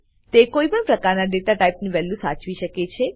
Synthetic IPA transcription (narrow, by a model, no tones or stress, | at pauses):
t̪ekoipəɳpɾəkaɾnaɖeʈaʈaipniʋɛlːũsa̰t͡ʃʋiʃəket͡ʃʰe